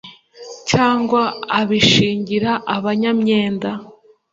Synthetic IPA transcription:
caːŋɡwaaβiʃiːɲɟiɾaʔaβaɲamɲe̞ːnda

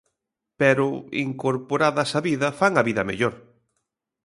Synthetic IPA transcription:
pɛɾʊḭŋkoɾpoɾaðɐsɐβiðɐfaŋɐβiðɐmḛʎoɾ

